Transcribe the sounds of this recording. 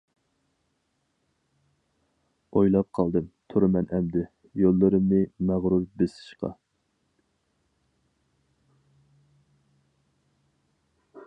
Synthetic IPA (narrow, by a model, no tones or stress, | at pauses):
ojlˠɑp̚qʰɑlˠd̪ɨmt̪ʰʊɾɨmɛnʔɛmd̪ɪ | jolˠːɨɾɨmnɨmæʁɾuɾbesɪ̥ʃqɑ̰